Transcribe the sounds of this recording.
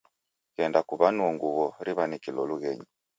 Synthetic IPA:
ɣɛndakuβanuɔŋɡuβɔɾiβanikilɔluɣɛɲii

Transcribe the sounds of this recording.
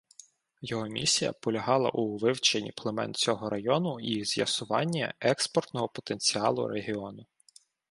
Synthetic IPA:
jɔɦɔmʲḭsʲijɐ̰pɔlʲɐɦɑlˠɐ̰ʔuʋɪwt͡ʃenʲːiplˠemɛ̰nt͡sʲɔɦɔɾɐjɔnʊiz̥ʲjɐ̰sʊʋɑ̰nʲːɐ̰ɛkspɔrt̪nɔɦɔpɔ̥t̪enʲt͡sʲiɑlˠʊ̰ɾeɦiɔnʊ

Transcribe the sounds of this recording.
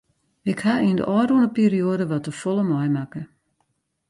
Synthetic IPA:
ɪkhaiəndə̰ʔɔːɾunəpiːɾioːdəʋɔtəfɔlˠəmɔjmakə

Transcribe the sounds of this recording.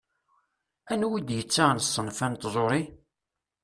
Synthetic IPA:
ænwid̪jət͡sːansˤːənfænt̪zˤoɾˤi

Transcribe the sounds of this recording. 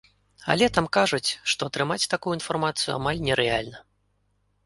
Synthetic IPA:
a̰lʲɛt̪amkaʐut͡sʲʂt̪ɔːt̪ɾɨmat͡sʲt̪akujuinfarmat̪sɨjṵa̰malʲnʲɛɾɛalʲnɐ

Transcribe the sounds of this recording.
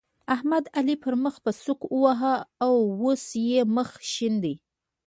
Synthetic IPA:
ahmad̪alipəɾməxpəsukəwaɦaːwosjeməxʃind̪i

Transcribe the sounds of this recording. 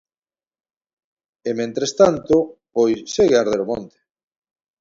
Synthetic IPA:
emẽnt̪ɾest̪ant̪opojsseɣeaɾðeɾomõnt̪e̥

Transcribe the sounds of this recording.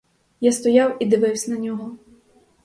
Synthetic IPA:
jast̪ɔjɑwid̪ɪʋɪwsʲɐnɐnʲɔɦɔ

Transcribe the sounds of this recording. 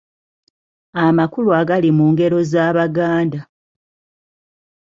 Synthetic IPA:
amakuluaɡalimuːŋɡe̞ɾo̞zaːβaɡaːnda

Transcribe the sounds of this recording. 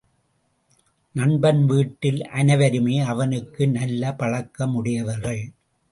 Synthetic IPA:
nɐɳbɐnʋiːʈːɪlʔɐnɐʋɐɾɯmeːɐʋɐnɯkːɯnɐlːɐpɐɻɐkːɐmʊɽɪjɐʋɐɾɣɐɭ

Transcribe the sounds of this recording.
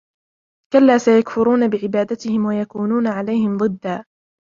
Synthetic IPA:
kalːaːsajakfʊɾuːnabɪʕɪbaːd̪at̪ɪhɪmwajakuːnuːnaʕalajhɪmd̪ˤɨd̪ːaː

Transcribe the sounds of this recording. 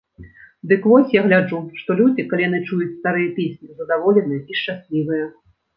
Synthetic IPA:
d̪ɨkvɔsʲjaɣlʲad͡ʐuʂt̪ɔlʲud͡zʲikɐlʲijan̪ɨt͡ʂujut͡sʲst̪aɾɨjɐpʲesʲnʲizɐd̪avɔlʲɛnɨjɐiʂt͡ʂasʲlʲivɨjɐ

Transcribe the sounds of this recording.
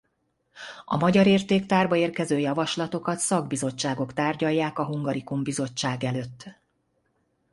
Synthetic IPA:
ɒ̰mɒɟɒɾeːrt̪eːkt̪aːrbɒeːrkɛzøːjɒvɒʃlɒt̪o̞kɒt̪sɒɡbizo̞t͡ʃːaːɡo̞kt̪aːrɟɒjːaːkɒɦuŋɡɒɾikumbizo̞t͡ʃːaːɡɛløːt̪ː

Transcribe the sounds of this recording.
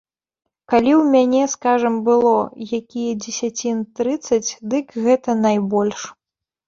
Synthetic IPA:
kalʲiwmʲanʲɛskaʐɐmbɨlˠɔjakʲijɛd͡zʲɪsʲat͡sʲint̪ɾɨt̪sːɐt͡sʲd̪ɨkɣɛt̪ɐnajbɔlʲʂ

